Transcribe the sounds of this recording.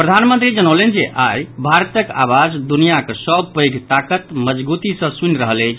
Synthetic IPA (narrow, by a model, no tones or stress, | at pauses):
pɾəd̪ʱanmənt̪ɾid͡ʒənəlend͡ʒeʔajbʱaɾt̪əkawad͡ʒd̪unijakəsəbpəjɡʱt̪akət̪məd͡ʒbut̪isə̃sunɾəɦəlɛjt͡ʃʰ